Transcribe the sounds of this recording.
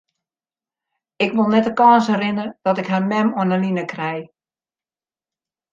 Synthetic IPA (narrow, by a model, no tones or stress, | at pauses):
ɪkʋɪlˠnɛtəkɔːnsɛrɪnərd̥ɔtɪkhamɛmɔənəlinəkrɛj